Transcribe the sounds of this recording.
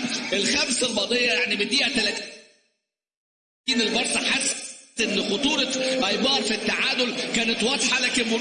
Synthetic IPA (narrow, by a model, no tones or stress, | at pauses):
ʔelxæmsælbɑd̪ˤejːɑjaʕnibed̪iːt̪ælæt̪ | iːnelbɑɾˤsˤɑħasːʔenːxot̪ˤuːɾˤɑʔæjbɑːɾˤfit̪ːaʕaːd̪olkæːnet̪wɑd̪ˤħɑlæːkenmo